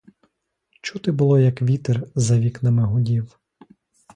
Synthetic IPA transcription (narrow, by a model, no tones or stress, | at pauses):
t͡ʃut̪ɪbʊlˠɔjɐkʋʲit̪erzɐʋʲiknɐmeɦɔdʲiw